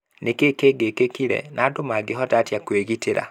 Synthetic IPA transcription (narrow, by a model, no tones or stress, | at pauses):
nekekeɡekekiɾɛ̰nʔadomaɡeɦɔtatjakweɣiteɾa̰